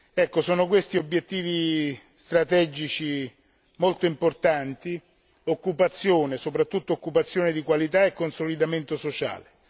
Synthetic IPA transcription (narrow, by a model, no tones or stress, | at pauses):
ɛkːosɔːnokwest̪iobjet̪ːiːvist̪ɾat̪ɛd͡ʒit͡ʃi | molt̪oimport̪ant̪i | okːupat̪sːjoːnesopɾat̪ːut̪ːoːkːupat̪sːjoːned̪ikwalit̪aekːonsolid̪ament̪osot͡ʃa̰ːle